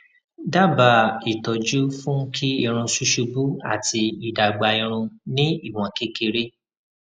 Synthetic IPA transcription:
da˦ba˨i˨tɔ˨d͡ʒu˦fũ˦kʰi˦i˧ɾ̃ũ˧ʃu˦ʃu˧bu˦a̰˦˨ti˧i˨da˨ɡ͡ba˨˧i˧ɾ̃ũ˧nĩ˦i˦˨w̃ɔ̃˨ke˦ke˧ɾe˦

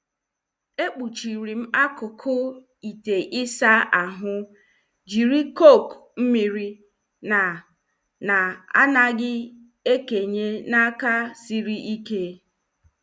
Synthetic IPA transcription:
e˦k͡pu˨t͡ʃi˨ɾi˨m̩˦a˦kʊ˨kʰʊ˦ | i˨te˨ʔɪ˦sa˦a˨ɦʊ˦ | d͡ʒi˨ɾi˦ko˦˨km̩˦mi˨ɾi˦ | na˨ | na˨a̰˦na˦ɡɪ˦ | e˦ke˨ɲe˦na˦ka˦si˦ɾi˦ʔi˦ke˦

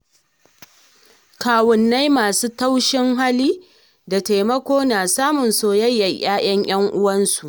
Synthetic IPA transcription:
kaː˨wʊ˨nːa˦jmaː˨suː˦ta˦wʃɪ˦ŋɦa˦liː˦ | da˨ta˨jmɐ˦kʷoː˦naː˨saː˦mʊ˨nsoː˦jɐ˦jːɐ˨j̰aː˦j̰ɐ˦ŋj̰ɐ˦ŋʔʊ˦wɐ˦nsu˨ʔ

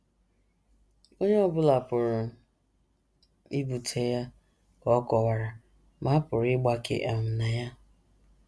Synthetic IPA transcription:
o˦ɲe˦ɔ˦bʊ˦la˨pʊ˨ɾʊ˨ | i˦bu˨tʰe˦ja˦ | kɔ˨˦kɔ˨wa˨ɾa˨ | ma˦pʊ˨ɾɪ˦ɡ͡ba˨kḛ˦ʔe˨m̩˨na˨ja˦

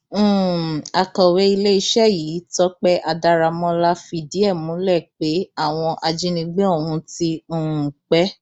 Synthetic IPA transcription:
a˨kɔ̃˨we˦i˧le˦i˧˦ʃɛ˦ji˨˦tɔ˦k͡pɛ˦ʔa˧da˧ɾa˧mɔ̃˧la˦fi˧di˦ɛ˦˨mũ˨˦lɛ˦˨k͡pe˨˦a˦˨w̃ɔ̃˧ʔa˧d͡ʒi˦nĩ˧ɡ͡be˦o˦˨wũ˧˦tĩ˧˦˨k͡pɛ˦

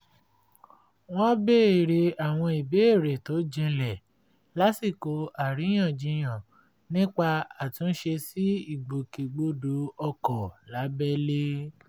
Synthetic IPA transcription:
w̃ɔ̃˦be˦e˨ɾe˨a˨w̃ɔ̃˧i˨be˦e˦˨ɾe˨to˨˦d͡ʒĩ˧lɛ˦˨ | la˨˦si˦˨ko˨˦a˨ɾi˨˦j̃ã˦˨d͡ʒĩ˧j̃ã˨ | nĩ˦k͡pa˧a˨tũ˨˧˦n̩˦ʃe˧si˦i˦˨ɡ͡bo˨ke˨ɡ͡bo˦do˨˦ɔ˧kɔ˨la˨˦bɛ˦le˦

